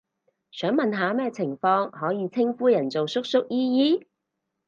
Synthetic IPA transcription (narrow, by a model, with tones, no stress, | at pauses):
sœː˨˥ŋmɐ˨nɦaː˨˧˥mɛː˥t͡sʰɪ˨˩ŋfɔː˧ŋhɔː˨˥jiː˨˧t͡sʰɪ˥ŋfuː˥jɐ˨˩nt͡so˨wsʊ˥k̚sʊ˥k̚jiː˥jiː˥